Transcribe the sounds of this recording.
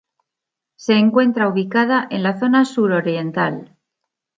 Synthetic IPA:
se̞ːŋkwe̞nt̪ɾauβ̞ikað̞aʔe̞nlaθo̞nasuɾo̞ɾje̞nt̪al

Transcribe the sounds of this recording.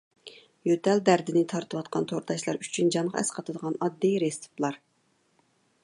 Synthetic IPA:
jøt̪ʰɛld̪æɾd̪ɪnɪt̪ʰɑɾt̪ɨwɑt̪qʰɑnt̪ʰoɾt̪ʰɑʃlˠɑ̰ɾy̥t͡ʃʰynd͡ʒɑnʁɑ̰ɛ̰sqʰɑt̪ʰɨd̪əʁɑnɑd̪ːijɾest̪u̥plˠɑɾ

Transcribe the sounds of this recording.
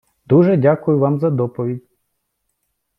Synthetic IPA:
d̪uʒɛdʲakʊjʊʋɑmzɐd̪ɔpɔʋʲidʲ

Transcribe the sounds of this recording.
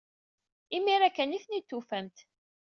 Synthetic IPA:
imiɾækːæniθnit̪ːufæmt̪

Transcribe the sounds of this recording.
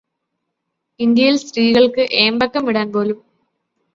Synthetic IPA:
ind̪jɐjilsriːɣɐɭkɨʔeːmbɐkːɐmʋiɽaːnpo̞ːlum

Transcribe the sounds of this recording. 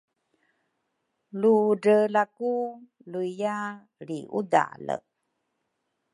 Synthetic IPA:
luɖəlaku | luija | ɾiʔṵda̰lə̰

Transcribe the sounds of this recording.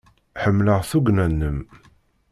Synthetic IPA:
ħəmːləʁθuɡnænːəm

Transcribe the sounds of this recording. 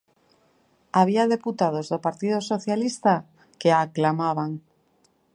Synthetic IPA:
aβ̞iað̞e̞put̪að̞o̞zðopaɾt̪ið̞oso̞θjalist̪a | ke̞aklamaβ̞aŋ

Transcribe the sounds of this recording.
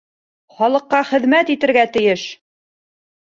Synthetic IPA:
χɒlˠɤ̆qːɑχɘ̆ðmæt̪it̪ɘ̆ɾɡæt̪ɘ̆jɘʃ

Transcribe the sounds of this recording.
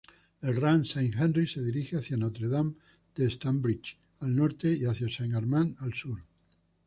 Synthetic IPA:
elranseŋxãnriseðiɾixeaθjanot̪ɾeðam | d̪̥est̪ambɾit͡ʃ | alnoɾt̪e̞iaθjasaŋaɾmãnalsuɾ

